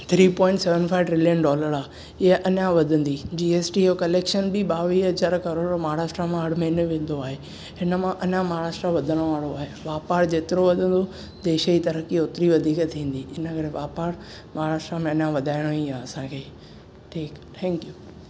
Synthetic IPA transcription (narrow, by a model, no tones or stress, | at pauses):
t̪ʰɾiːpɔ̃ːɪ̃ɳʈseʋə̃nfʰaːɪʋɖɾɪljənɖɔːləɾaː | ɪɦəʔɐɲãʋɐd̪ʱə̃nd̪id͡ʑiːeːsʈiokɐleːkʃənbɪɓaːʋiːɦɐzaːɾkɐɾoːɽmaːɾaːʃʈɾamãɦɐɽ̤mɐ̃ɪneʋẽːn̆d̪oaːɦe | hɪnə̆mãʔɐɲãmaɦɾaːʃʈɾaʋɐd̪ʱəɽ̃ʋaːɽoaːɦeʋaːpaːɾd͡ʑeːt̪ɪɾoʋɐd̪ʱə̃nd̪o | d̪eːʃəit̪ɐɾəkioːt̪ɾiʋɐd̪ʱiːkt̪ʰːĩːn̆d̪iɪnəkɐɾeʋaːpaːɾ | maːɾaːʃʈɾamẽɐɲãʋɐd̪ʱaːɪɽ̃oiaːɐsãkʰeː | ʈʰiːkt̪ʰɛ̃ːŋkjuː